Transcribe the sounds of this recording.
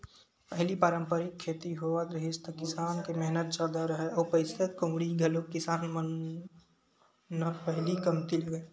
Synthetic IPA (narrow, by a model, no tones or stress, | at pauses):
pəɦlipaːɾə̃mpəɾɪkʰːeːt̪iɦoːʋat̪ɾəɦɪst̪əkɪsaːnkemɛɦnət̪̚d͡ʒaːd̪aɾəɦeɔːɾpəɪsət̪kõmɽiɡʱɐlokkɪsaːnmə | əɾpəɦlikɐmt̪iləɡəː